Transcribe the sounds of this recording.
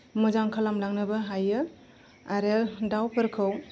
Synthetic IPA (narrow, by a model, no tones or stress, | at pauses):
muzaŋkʰalamlaŋnɯbɐɦajɯ | aɾedawpʰɯɾkʰɯw